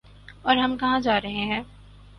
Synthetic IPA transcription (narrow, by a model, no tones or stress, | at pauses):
ɔːɾɦɐmkɐɦãd͡ʒaːɾɐɦẽɦɛ̃ː